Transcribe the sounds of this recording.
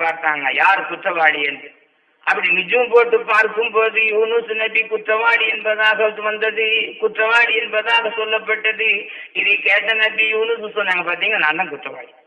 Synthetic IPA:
aːɾt̪aːŋɡɐ̰jaːɾɯkuʈɾɐʋaːɽiɐnɖɯ | ɐpːɐɽinid͡ʒɐʋɐmpoːʈːɯmaːɾkːumpoːðɯjuːnusunɐbikut̪ɾɐʋaːɽiɛnpɐːðɐsɐːt̪ːɯʋɐnd̪ɐðɯkuʈɾɐʋaːɽiɐnpɐːðɐðɐsɔlːɐpːɐʈːɐðɯ | iðikeːʈːɐnɐbijuːnususoːnːaːŋɡɐpaːɾt̪iːŋɡɐnaːnd̪ɐnkut̪ɾɐʋa̰ːɽi

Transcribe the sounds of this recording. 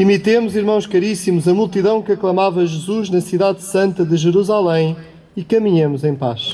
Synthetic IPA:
imit̪emuziɾmɐ̃w̃ʃkɐɾisimuzɐmulˠt̪iðɐ̃w̃kɨɐklˠɐmavɐʒɨzuʒnɐsiðaðsɐ̃nt̪ɐðɨʒɨɾuzalˠẽj̃ | ikɐmiɲɐmuzẽj̃pa̰ʃ

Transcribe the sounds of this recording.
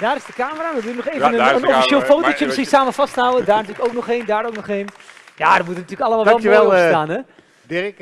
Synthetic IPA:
d̥aːɾɪsdəkaːməraːdəduənɔχejvənəənofiʃeːlˠfowtot͡ʃəməsχinsaːməfɑstəɦawədaːrnɐtyːləkowknɔχeːndaːroːknɔχejnjadəmutənɐtyːləkɑlˠəmalˠʋɛlˠmɛlstaːnɛ | d

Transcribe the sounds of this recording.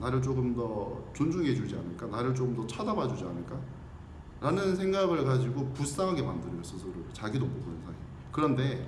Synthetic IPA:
naɾɯɭt͡ɕ͈oɡɯmdʌt͡ɕond͡ʑuŋe̞d͡ʑud͡ʑia̰nɯɭk͈anaɾɯɭt͡ɕ͈oɡɯmdʌt͡ɕʰadabad͡ʑud͡ʑia̰nɯɭk͈a | ɾanɯnsʰe̞ŋɡaɡɯɭkad͡ʑiɡopus͈aŋɦaɡe̞mandɯɾʌs͈ʰɯsʰɯɾɯt͡ɕaɡidopoɡonɯnsʰaɦi | kɯɾʌnde̞

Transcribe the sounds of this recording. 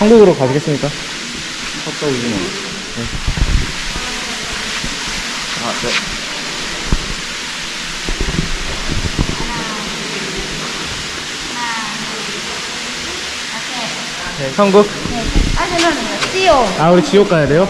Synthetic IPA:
aŋɡuɡɯɾokad͡ʑiɡe̞ts͈ɯmɲik͈a | k͈ʌt͈ʌud͡ʑin | ne̞ | ane | nesʰʌŋɡuk̚neat͡ɕʌnɯn | t͡ɕ͈ijoauɾit͡ɕijok͈ajade̞jo

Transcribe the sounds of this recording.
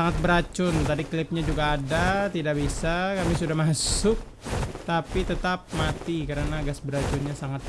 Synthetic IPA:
aŋat̪̚bəɾat͡ʃʊnt̪adiklɪp̚ɲad͡ʒuɡaːdat̪idaʔbisakamisudahmasʊk̚t̪apit̪ət̪ap̚mat̪ikəɾənaɡasbəɾat͡ʃʊnɲasaŋat̪̚

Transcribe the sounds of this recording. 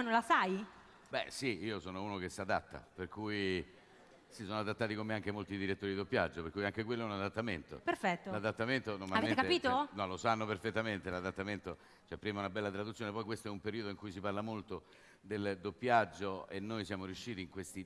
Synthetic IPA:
nõnlasaj | bɛ̰siiːosoːnouːnok̟esːad̪a̰t̪ːa̰perkuj | sisoːnoad̪at̪ːaːt̪ikomeaŋk̟emolt̪id̪iɾet̪ːoɾid̪id̪opːja̰d͡ʒːopeɾkujaŋk̟ekwelːoɛunad̪at̪ːament̪o̰perfɛt̪ːolad̪at̪ːament̪onormalaveeekapiːt̪onɔlosanːoperfet̪ːament̪elad̪at̪ːament̪o | t͡ʃoɛpːɾiːmaunabɛlːat̪ɾad̪ut̪sjonepɔjkwest̪oɛumpeɾiod̪oiŋkujsiparlamolt̪o | d̪eld̪opːjad͡ʒːoenːojsjaːmoɾiuʃːiːt̪iːŋkwest̪i

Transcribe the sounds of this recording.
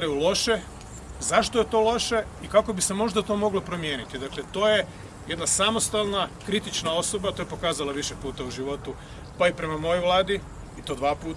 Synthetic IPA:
ɾajulˠo̞ʃe̞ | zaʃt̪oje̞t̪o̞ːlˠo̞ʃe̞ikako̞bise̞mo̞ʒd̪at̪o̞ːmo̞ɡlopɾo̞mje̞ːnit̪id̪aklet̪o̞ːje | jed̪nasamo̞st̪alˠnakɾit̪it͡ʃnao̞so̞bat̪ojpo̞kaːzalaʋiʃepuːt̪auʒiʋo̞t̪u | paipɾe̞mamo̞jojʋlˠaːd̪i | it̪o̞ːd̪ʋaːpuːt̪

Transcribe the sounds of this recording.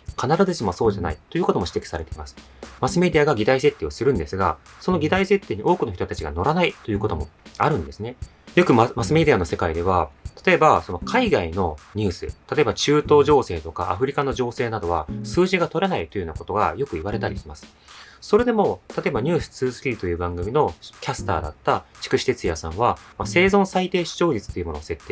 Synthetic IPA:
kʰanaɾazezimoaso̞ːʑana̰it̪o̞jɯ̟ːko̞t̪omoɕi̥t̪e̞kʲi̥saɾe̞t̪e̞imasɨ̥ | masɨme̞d̪ʲiaɡaɡʲit̪aise̞t̪ːe̞ːosɨɾɯ̟̃nd̪e̞sɨɡa̰so̞no̞ɡʲit̪aise̞t̪ːe̞ːɲ̟iʔo̞ːkɯnoçi̥t̪o̞t̪at͡ɕiɡa̰no̞ɾanait̪o̞jɯ̟ːko̞t̪o̞mo̞̰aɾɯ̟̃nd̪e̞sɨne̞ | jo̞kɯ̟mmasɨme̞d̪ʲiano̞se̞kaid̪e̞β̞at̪ḁt̪o̞e̞baso̞nokʰaiɡaino̞ɲ̟ɨːsɨ̰t̪ʰat̪o̞ebat͡ɕɨːt̪o̞ːʑo̞ːse̞ːt̪o̞ka̰ʔa̰ɸɯ̟ɾʲikano̞ʑo̞ːse̞ːnad̪o̞βasɨːʑiɡat̪o̞ɾe̞nait̪o̞jioːnako̞t̪o̞ɡa̰jo̞kɯ̟iβ̞aɾe̞t̪aɾʲiɕimasɨ̥ | so̞ɾe̞d̪e̞mo̞t̪ʰat̪o̞e̞baɲ̟ɨːsɨ̥t͡sɨːzɨ̥kʲiɾʲit̪o̞jɯ̟ːbãŋɡɯ̟mʲino̞kʲasɨ̥t̪a̰ːd̪a̰t̪ːat͡ɕi̥kɯ̟ɕi̥t̪et͡sɨjasãɰ̃βamase̞ːzõ̞sait̪e̞ːɕi̥ʑo̞ːɾit͡sɨ̥t̪o̞jiɯmo̞nose̞t̪ːe

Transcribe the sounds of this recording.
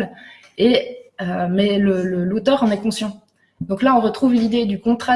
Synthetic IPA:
l | eømɛlələlot̪œːʁɑ̃nɛkɔ̃sjɑ̃ | d̪ɔ̃klaɔ̃ʁət̪χuvlid̪ed̪ykɔ̃t̪χa

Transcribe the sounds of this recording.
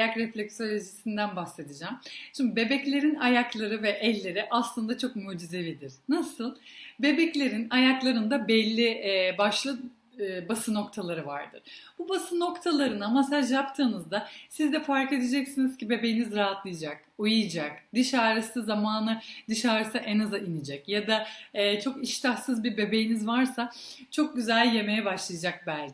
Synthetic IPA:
jakɾɛflʲɛcsølʲed͡ʒisind̪ænbahse̞d̪id͡ʒæmʃimbibe̞bɛclʲe̞ɾinajaklˠaɾɯvɛʔɛlʲːe̞ɾiʔaslˠɯnd̪at͡ʃʰo̞k̚muːd͡ʒizevid̪iɾ̥nasɯlˠbe̞bɛclʲe̞ɾinajaklˠaɾɯnd̪abɛlʲːibaʃlˠɯ | basɯno̞kt̪ʰalˠaɾɯva̰ɾd̪ɯ̰ɾ̥b̥ubasɯno̞kt̪ʰalˠaɾɯnamasaʒjapt̪ʰɯːnɯzd̪asizd̪ɛfaɾke̞d̪ed͡ʒɛcsiniz̥cibe̞be̞jinizɾaɦat̪lˠɯjd͡ʒak̚ | ujɯjd͡ʒak̚d̪iʃaːɾɯsɯzamaːnɯd̪iʃaːɾɯsɯʔɛnazɯʔinid͡ʒɛcjad̪aɛːt͡ʃʰo̞kiʃt̪ʰahsɯzbiɾbe̞bejinizvaɾsa | t͡ʃʰo̞k̚ɟyzælʲje̞me̞jɛbaʃlˠajad͡ʒak̚bælʲcʰ

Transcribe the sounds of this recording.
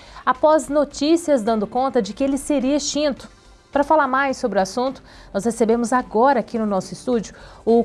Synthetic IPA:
apɔznot͡ʃisiɐzd̪ɐ̃nd̪ʊkõnt̪ɐd͡ʒɪkɪelɪseɾiɐʃt͡ʃĩnt̪ʊ̥ | pɾɐfalaɾmajsːobɾʊasũnt̪ʊ̥ | nɔshesebẽmʊzaɡɔɾɐːkinʊnɔsʊɪst̪ud͡ʒʊʊ

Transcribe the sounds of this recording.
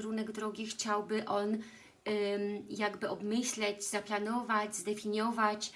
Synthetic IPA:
ɾunɛɡd̪ɾɔɡʲixt͡ɕawbɘʔɔn | jaɡbɘɔbmɘɕlɛd͡ʑzaplanɔvad͡ʑzd̪ɛfʲiɲjɔvat͡ɕ

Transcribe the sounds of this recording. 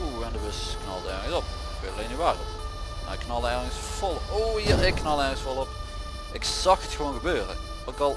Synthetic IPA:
oɛndəʋøsknɑ̰lˠdəɛɹəsɔp | kʋøtəleːniʋaːrə | ma̰ɪkːnɑlˠəɛɹəəsfɔlˠoːiɪkːnɑlˠɛɹɣəsfolˠɔp | ɪksɑxətxəʋonɣəbøːrə | ɑkɑlˠ

